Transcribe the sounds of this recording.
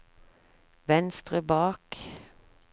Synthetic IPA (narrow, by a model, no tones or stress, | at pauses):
ʋɛnst̪ʁəbɑːk